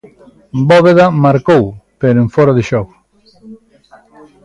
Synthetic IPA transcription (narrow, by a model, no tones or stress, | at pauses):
boβeðamaɾkowpeɾoeɱfoɾaðɪʃɔɣo